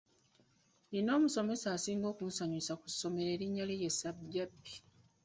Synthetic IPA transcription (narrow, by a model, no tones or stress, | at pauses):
lino̞ːmuso̞me̞saːsiːŋɡo̞ːkunsaɲusakuso̞me̞ɾeːɾiɲːalijesababːi̥